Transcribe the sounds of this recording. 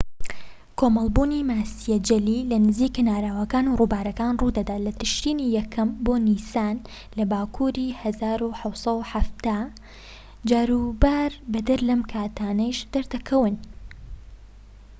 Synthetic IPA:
kʰoːmɐlˠbuːnimaːsijɛd͡ʒɐlilɐnɨziːkinaːɾaːwɐkaːnuruːbaːɾɐkaːnruːd̪ɐd̪aːlɐt̪ɨʃɾiːnijɛkʰɐmboːnisaːn | lɐbaːkʰuːɾiːhɐzaːɾuħɐwsˤɐwħaft̪aː | d͡ʒaːɾuːbaːɾbɐd̪ɐɾlɐmkʰaːt̪ʰaːnɐjʃd̪ɐɾd̪ɐkʰɐwɨn

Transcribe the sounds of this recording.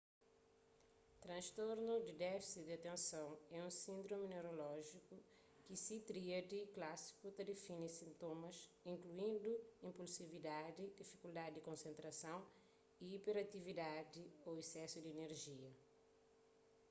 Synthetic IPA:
t̪ɾɐ̃ʃt̪oɾnud̪id̪ɛfi̥sid̪iat̪ẽnsɐ̃w̃ɛũsĩnd̪ɾomineɾolɔʒiku | kisit̪ɾiɐd̪iklasi̥kut̪ɐd̪efĩnisĩnt̪omɐzĩŋkluĩnd̪uĩmpulsivid̪ad̪id̪ifi̥kuld̪ad̪ɪd̪ikõnsẽnt̪ɾɐsɐ̃w̃ | iːpeɾat̪ivid̪ad̪ioesɛsud̪ieneɾʒiɐ

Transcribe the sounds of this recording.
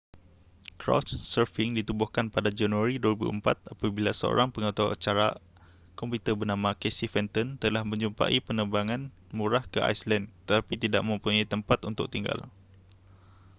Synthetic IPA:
kɾɔ̰sːəfiŋdit̪ubʊhkanpadad͡ʒanuaɾiduwəɾibṵəmpat̪̚apabilasəo̰ɾaŋpəŋat̪aa̰t͡ʃaɾa | kɔmput̪əbənãmãkɛsihfɛnt̪ɔnt̪əlahmə̃ɲd͡ʒumpa̰ʔipənəbaŋãn | muɾahkəʔa̰jslɛnt̪ət̪apit̪ida̰ʔmə̃mpuɲajt̪əmpat̪unt̪ʊk̚t̪iŋɡa̰l

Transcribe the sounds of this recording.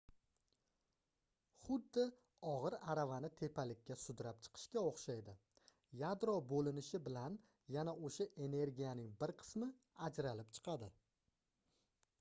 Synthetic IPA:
χʊd̪ːɪ | ɒʁɨɾaɾavanɪt̪ʰe̞pʰalɪkʲːasʊd̪ɾap̚t͡ʃʰɨ̥qʰɨ̥ʃkʲaoχʃajd̪ɪ | jad̪ɾɒbolɪnɪʃɪbɪlan | janaoʃaʔe̞ne̞ɾɡʲijanɪŋbɪɾqʰɨ̥smɪ | ad͡ʒɾalɪp̚t͡ʃʰɨ̥qʰɑd̪ɪ

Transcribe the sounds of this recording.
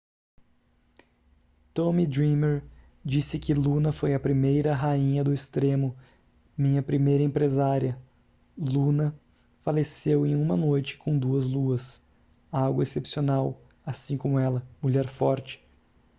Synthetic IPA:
t̪õmid̪ɾĩmeɾ | d͡ʒisɪkɪlũnɐfojɐpɾimejɾɐɦaĩɲɐd̪ʊɪst̪ɾẽmʊ | mĩɲɐpɾimejɾɐẽpɾezaɾiɐ | lunɐ | falesewẽj̃ũmɐnojt͡ʃɪ̥kʰõw̃d̪uɐzluɐs | aɡwɐesepsionaw | asĩkõmʊɛlɐmuʎɛɾfɔɾt͡ʃɪ̥

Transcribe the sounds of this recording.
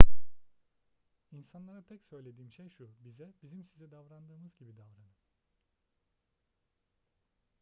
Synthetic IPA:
insanlˠaɾat̪ʰɛcsø̞jlʲe̞d̪iːmʃejʃubizɛbizimsizɛd̪avɾand̪ɯːmɯzɟibid̪avɾanɯ

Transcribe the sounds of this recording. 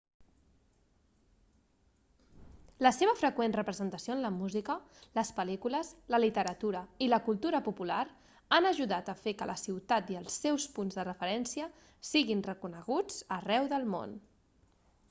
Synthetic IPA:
ləseβəfɾəkwenrəpɾəzənt̪əsioənləmuzikələspəlikuləsləlit̪əɾət̪uɾəiləkulˠt̪uɾəpupulaɾ | anəʒuðat̪əfekələsiwt̪at̪iəlˠsɛwspunzðərəfəɾɛnsiə | siɣinrəkunəɣ̞ud͡zərɛwðəlˠmo̰n

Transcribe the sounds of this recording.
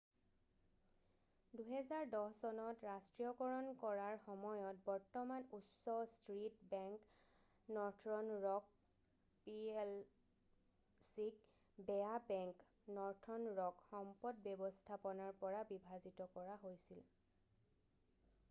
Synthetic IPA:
duɦɛzaɹdɔhsɔnɔtɹastɹijɔɡɔɹɔnkɔɹaɹxɔmɔjɔt̚bɔɹtɔmanusɔstɹitbɛŋk | nɔtʰɹɔnɹɔk̚ | piel | sik | bɛabɛŋk | nɔɹtʰɔnɹɔkxɔmpɔdbjɔbɔstʰapɔnaɹpɔɹabibʱazitɔkɔɹaɦojsil

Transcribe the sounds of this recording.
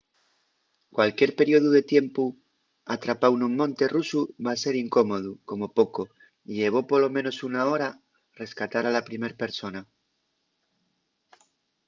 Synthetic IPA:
kwalkje̞ɾpe̞ɾjo̞ðuðe̞t̪je̞mpu | at̪ɾapawnumːõ̞nt̪e̞rusuβase̞ɾiŋko̞mo̞ð̞uko̞mo̞po̞ko̞ | iʎe̞β̞o̞polomeno̞sunao̞ɾa | re̞skat̪aɾalapɾime̞ɾpe̞ɾso̞na

